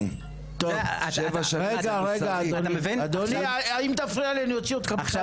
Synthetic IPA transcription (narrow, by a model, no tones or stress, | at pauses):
t̪ovʃevaʃaeɡaʁeɡaːd̪onmvinad̪onaaimt̪afʁialeanujot͡siod̪kama